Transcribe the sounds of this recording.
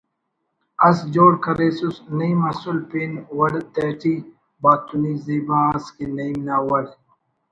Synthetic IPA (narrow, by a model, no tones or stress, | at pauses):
ɐsd͡ʒoːɽkɐɾeːsusnɐimɐsulpinwɐɖt̪eːʈi | baːt̪uniziːbãːskinɐimnaːwɐɽ